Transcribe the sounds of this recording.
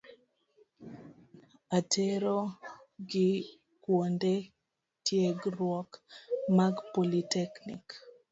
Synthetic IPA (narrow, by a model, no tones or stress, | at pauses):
atʰeɾo | ɡɪ | kwonde | tjeɡrwɔkmaɡpolitɛknḭk